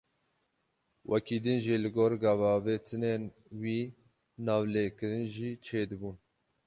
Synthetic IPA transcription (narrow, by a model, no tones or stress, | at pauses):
wʔɛkiːd̪ɨnʒiːlɨɡoːɾɡɑvɑːveːt̪ʰɨnen | wiː | nɑːvleːkɨɾɨnʒiːt͡ʃʰeːd̪ɨbun